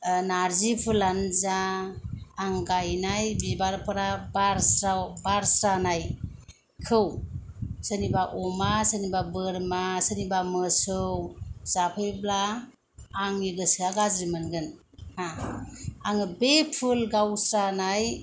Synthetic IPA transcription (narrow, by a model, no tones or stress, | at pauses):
naɾzipʰɯlanzaː | ŋɡajnajbibaɾpʰɯɾabaɾsɾawbaɾsɾanaj | kʰɯw | sənibaʔɔmasənibabɯɾmasənibamɯsɯwz̥apʰɯjblaː | ŋiɡɯsiaɡazimɯnɡɯn | ha | aŋɯbepʰulɡawsɾanaj